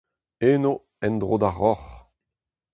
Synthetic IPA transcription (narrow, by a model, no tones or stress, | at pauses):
eːno | ɛnd̪ʁoːd̪aʁːɔχ